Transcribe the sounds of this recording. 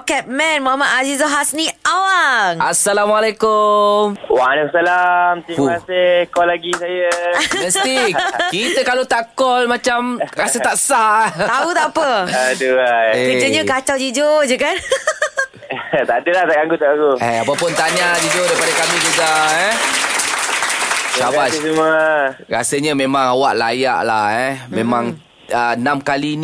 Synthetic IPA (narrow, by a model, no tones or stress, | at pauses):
kɛt̪̚mɛ̃nmɔɦamat̪azizɔɦasniʔawaŋasːalamalekʊmwalɛkumsalamt̪imasɪhkɔlːaɡisajəməst̪ikit̪əkalot̪aʔkɔlmãt͡ʃamkasəaʔsat̪aut̪aʔpəduajekəd͡ʒoɲəkat͡ʃawd͡ʒid͡ʒod͡ʒəkan | t̪adəlaht̪aʔɡaŋɡut̪aʔɡaŋɡuɛapapʊnt̪aɲad͡ʒid͡ʒodaipadakamid͡ʒuɡaɛ | sabasuməɾa̰səɲəmẽmãŋawaʔla̰ja̰ʔlahɛmẽmãŋ | ənamkalin